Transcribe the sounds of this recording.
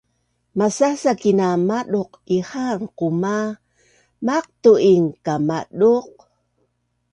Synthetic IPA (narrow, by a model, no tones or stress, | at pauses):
masasakinamaɗuqihanquma | maq̚t̪uiŋkamaɗuq̚